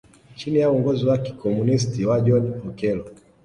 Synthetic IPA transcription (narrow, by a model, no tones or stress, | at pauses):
t͡ʃinijauɔŋɡɔziwaki̥kʰɔmunistiwad͡ʒɔnmɔkɛlɔ